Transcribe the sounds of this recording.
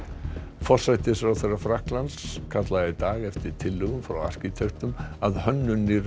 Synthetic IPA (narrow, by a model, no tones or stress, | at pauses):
fɔr̥sajt̪ɪsfɾawθerːafɾahklanskʰat̪laɣait̪aːɣɛft̪ɪɾ̥t̪ʰɪlːʏɣʏmfɾawa̰r̥cɪt̪ʰœɥht̪ʏmaðhœnːʏniɾ